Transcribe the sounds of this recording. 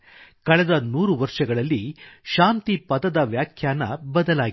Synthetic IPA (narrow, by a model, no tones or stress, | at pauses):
kɐɭɛd̪ɐnuːɾuʋɐɾʂɐɡɐɭɐlːiʃaːnt̪ipɐd̪ɐd̪ɐʋjaːkʰjaːnɐbɐd̪ɐlaːɡi